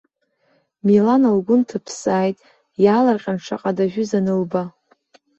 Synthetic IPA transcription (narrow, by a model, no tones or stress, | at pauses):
milanalɡʷʊntʰɨpʰsaːjtʼ | jalarqʲʼanʈ͡ʂʰa̰qʼadaʒᶣʷʏzanɨlba